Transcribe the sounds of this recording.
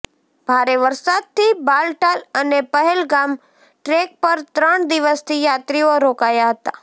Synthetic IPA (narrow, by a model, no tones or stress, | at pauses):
b̥ʱaɾeʋəɾsad̪̚t̪ibalʈalənepəɦɛlɡam | ʈɾek̚pəɾt̪ɾəɳd̪iʋəst̪ʰijat̪ɾioɾokajaɦət̪a